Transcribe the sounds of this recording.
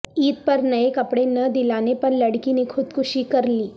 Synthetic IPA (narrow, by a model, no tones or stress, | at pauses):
iːt̪̚pɐɾnɐekɐpɽenɐd̪ɪlaːnepɐɾlɐɽkinekʰʊd̪kʰʊʃikɐɾliː